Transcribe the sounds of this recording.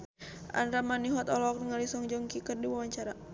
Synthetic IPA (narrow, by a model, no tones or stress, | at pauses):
ʔa̰nɾamaniɦɔt̪ɔlɔk̚dəŋalisɔŋd͡ʒɔŋkikərdiwawaɲt͡ʃaɾa